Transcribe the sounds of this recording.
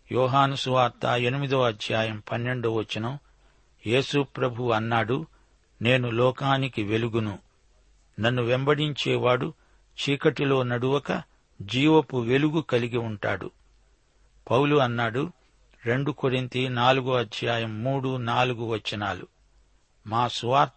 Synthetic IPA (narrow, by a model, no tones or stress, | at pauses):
jɔːɦaːnusuʋaːɾt̪ːaːe̞nimid̪oːɐd̪ʱjaːjɐmpɐnːe̞ɳɖuʋɐt͡ʃːinɐm | je̞ːsupɾɐbʱuɐnːaːɽu | ne̞ːnulɔːkaːnikiʋe̞luɡunu | nɐnːuʋembɐɽiɲt͡ʃɛːʋaːɽu | t͡ʃiːkɐʈilo̞ːnɐɽuʋɐkɐ | d͡ʒiːʋɐpuʋe̞luɡukɐliɡiuɳʈa̰ːɽṵ | pɐwluɐnːaːɽu | ɾe̞ɳɖukoɾint̪inaːluɡuɐd̪ʱjaːjɐmːuːɽunaːluɡuʋɐt͡ʃːinaːlṵ | maːsuʋaːɾt̪